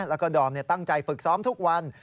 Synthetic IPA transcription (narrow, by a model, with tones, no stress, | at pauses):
lɛː˦˥kɔː˥˩dɔː˨˩mni˥˩ɐt̪a˥˩ŋt͡ɕa˧jfɯ˨˩k̚sɔː˦˥mt̪ʰu˦˥k̚wa˧n